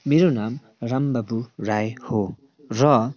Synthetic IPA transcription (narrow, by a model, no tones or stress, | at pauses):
meɾonam | rambʌbuɾajho | rʌ